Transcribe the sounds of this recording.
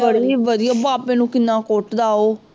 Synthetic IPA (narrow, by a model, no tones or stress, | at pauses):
əɽiːʋəd̪ɪjaːbaːpẽːnũːkɪnːãːkoʈd̪aːoː